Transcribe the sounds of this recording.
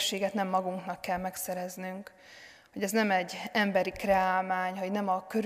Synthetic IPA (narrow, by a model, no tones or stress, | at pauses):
ʃːeːɡɛt̪nɛmːɒɡuŋknɒkːɛlmɛksɛɾɛznyŋk | ho̞ɟɛznɛmɛɟːɛmbɛɾikrɛaːlvaːɲɦɒɟnɛmɒkøɾ